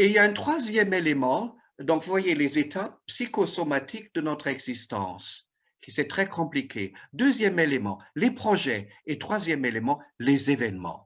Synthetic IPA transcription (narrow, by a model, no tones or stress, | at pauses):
eiljaɛ̃t̪χwazjɛmelemɑ̃ | d̪ɔ̃kvuvwajelezet̪ap̚pːsikosomat̪ʰikd̪ənɔt̪χɛɡzist̪ɑ̰̃s | kʲisɛt̪χɛkʰɔ̃plikʰḛd̪øzjɛmelemɑ̰̃lepχɔʒɛet̪χwazjɛmelemɑ̃lezevɛnmɑ̰̃